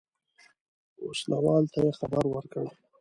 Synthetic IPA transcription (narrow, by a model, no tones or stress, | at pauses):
oslʔawɑlt̪ajexabaɾwəɾkəɽ